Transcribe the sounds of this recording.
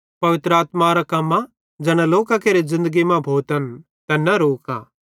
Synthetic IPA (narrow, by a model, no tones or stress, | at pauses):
pɐʋɪt̪ɾəaːt̪maɾakɐmːa | d͡ʒɛːɽ̃aloːkakeːɾezɪ̃nd̪əɡimãbʱoːt̪ən | t̪ɛnɐɾoːka̰ː